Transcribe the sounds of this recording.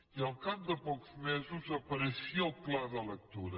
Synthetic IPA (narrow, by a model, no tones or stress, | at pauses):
ialˠkaβuðɐpokuzmezuzɐpɐɾɨsiɐwklˠaɾðɐlˠɐkt̪uɾɐ